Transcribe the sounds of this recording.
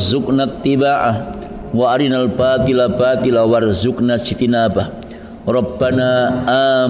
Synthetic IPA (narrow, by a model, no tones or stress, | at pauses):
zʊknat̪ːibaːʔa | waʔaɾinalbaːt̪ilabat̪ilawarzʊknad͡ʒit̪inaːbah | rˤɑbːanaʔaː